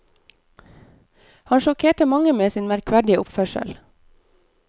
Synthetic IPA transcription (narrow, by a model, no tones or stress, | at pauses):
hɑnʃɔkʰeːʈəmɑŋəmeːsiːnmæɾkʰʋæɖɪəʔʊpfœʃə̰l